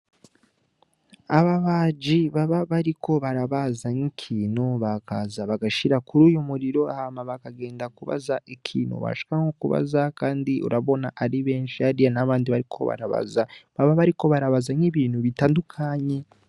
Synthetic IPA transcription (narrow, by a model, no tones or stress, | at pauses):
aβaβaːd͡ʒiβaβaβaɾikʰo̞βaɾaβazaŋikʰiːnuβakazaβaɡaʃiɾakuɾuːjumuɾiɾo̞a̰hamaβakaɡe̞ːndakuβa̰zaʔikʰiːnṵβa̰ʃi̥kaŋokuβa̰zakaːndiʔṵɾaβo̞naʔaɾiβeːnʃiaɾijanaβaːndiβaɾikʰo̞̰βa̰ɾa̰βa̰zaβaβaβaɾiko̞βaɾaβazaŋiβiːnhuβitaːndukʰaɲe